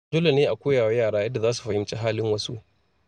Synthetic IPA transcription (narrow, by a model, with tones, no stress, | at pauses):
d͡ʒʊː˦la˨neː˦ʔa˨kʷoː˦jaː˨wa˦jaː˦˨ɽaː˦jɐ˦dːa˨zaː˦s̬u̥˨ɸɐ˨hɪ˦mt͡ʃe˦ɦaː˦lɪ˦ŋwɐ˦su˦ʔ